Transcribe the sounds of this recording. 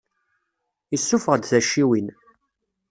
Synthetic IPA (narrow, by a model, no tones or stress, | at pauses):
isːufəʁəd̪θæʃːiwin